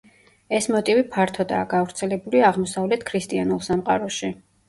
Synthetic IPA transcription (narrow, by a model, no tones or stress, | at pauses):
ɛsmɔt̪ʼivipʰaɾt̪ʰɔd̪a̰ːɡavɾt̪sʰɛlɛbuliaʁmɔsavlɛt̪ʰkʰɾist̪ʼianulˠsamqʼaɾɔʃi